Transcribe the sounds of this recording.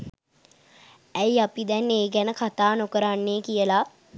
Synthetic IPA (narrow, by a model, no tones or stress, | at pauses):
æjapid̪ɛnːeːɡænəkʰat̪aːnokəɾanːeːkijəla